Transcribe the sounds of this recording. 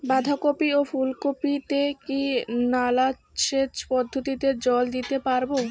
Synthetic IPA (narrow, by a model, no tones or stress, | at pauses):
bad̪ʱakopiofulkopit̪ekinala | ʃet͡ɕpɔd̪ʱːot̪id̪eɾd͡ʑɔld̪it̪epaɾbo